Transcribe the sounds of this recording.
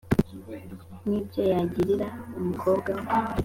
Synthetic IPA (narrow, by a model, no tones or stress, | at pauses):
nibjojaɟiɾiɾaumukʰoːbɡa